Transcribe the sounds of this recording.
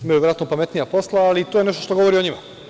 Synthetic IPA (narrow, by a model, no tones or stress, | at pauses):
imajuʋɾat̪nopame̞t̪nijapo̞slˠaːlit̪oje̞ne̞ʃ̬t̪oʃt̪o̞ɡo̞ʋo̞ɾioɲima